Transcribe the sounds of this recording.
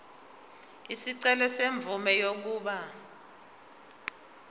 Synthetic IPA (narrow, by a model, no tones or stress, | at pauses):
isiǀɛlɛseɱb̪vʱumɛjok̬uːɓa